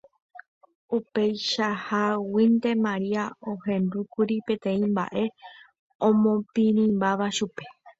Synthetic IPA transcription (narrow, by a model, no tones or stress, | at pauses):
upe̞jʃahawint̪e̞mãɾiaohẽ̞nd̪ukuɾipẽ̞t̪ẽ̞ĩmba̰ʔe̞ | õmõpĩɾĩmbaʋaʃupe̞